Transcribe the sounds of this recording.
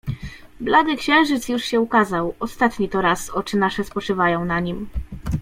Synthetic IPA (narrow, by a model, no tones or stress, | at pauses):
blad̪ɘkɕɛ̃w̃ʐɘt̪sjuʂɕɛukazawɔst̪at̪ɲit̪ɔɾasɔt͡ʂɘnaʂɛspɔt͡ʂɘvajɔ̃w̃naɲim